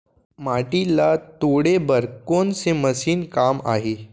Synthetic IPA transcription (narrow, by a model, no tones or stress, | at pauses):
maːʈilat̪oɽebəɾkoːnseməsiːnkaːma̰ːɦeː